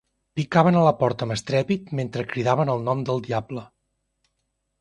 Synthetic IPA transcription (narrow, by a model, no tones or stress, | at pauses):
pikaβənələpɔɾt̪əːməst̪ɾɛpit̪̚ment̪ɾəkɾiðaβənəlˠnɔmd̪əlˠd̪iablə